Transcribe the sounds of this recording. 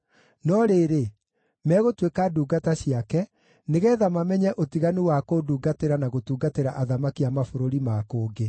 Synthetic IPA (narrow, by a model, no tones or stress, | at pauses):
nɔɾeɾe | mɛːɣotwekaduːɡataɕiakɛ | neɣɛːðamamɛɲɛʔotiɣaniwakoduːɡateɾanaɣotuːɡateɾaʔaðamakiamafoɾoɾimakoːɡe